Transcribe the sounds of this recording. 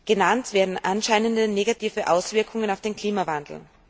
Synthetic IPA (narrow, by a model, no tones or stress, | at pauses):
ɡ̥ənantv̥eːɐdn̩ʔanʃaɪnəndəneːɡatʰiːvəʔaʊsv̥ɪɐkʰʊŋənaʊfd̥eːnkʰl̥iːmavandl̩